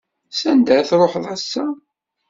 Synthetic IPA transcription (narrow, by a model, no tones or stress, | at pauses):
sænd̪æθɾˤoħðˤæsːæ